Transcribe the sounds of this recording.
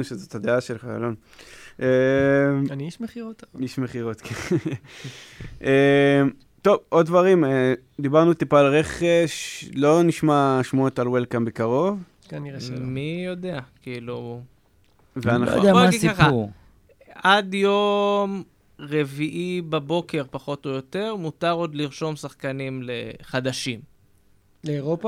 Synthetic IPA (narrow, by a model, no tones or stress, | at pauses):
uʃezothad̪eaʃelχaa̰lon | ʔemaniiʃmeχiʁot̪aiʃme̞χiʁo̞t̪kʰen | ʔem | t̪o̞vʔod̪dvaʁime | d̪ibaʁnut̪ipaːlʁe̞χeʃlo̞niʃmaʃmuot̪alwelkambekaʁo̞v | kaniemijo̞d̪eakiilu | veanadoiaχa | ʔad̪jo̞m | ʁeviʔibabo̞ke̞ʁpaχo̞t̪ojo̞t̪e̞ʁmut̪aʁo̞d̪liʁʃo̞msaχkanimleχad̪aʃim | leoʁopa